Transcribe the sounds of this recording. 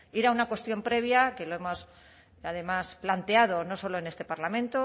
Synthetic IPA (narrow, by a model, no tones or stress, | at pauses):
iɾaunakwe̞st̪jo̞mpɾe̞β̞jake̞lo̞e̞mo̞s | að̞e̞masplant̪e̞að̞o̞no̞so̞loe̞ne̞st̪e̞paɾlamẽ̞nt̪o